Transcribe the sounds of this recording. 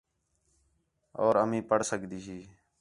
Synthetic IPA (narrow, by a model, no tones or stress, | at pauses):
o̰ːɾəmĩːpəɽsəɡd̪iːɦiː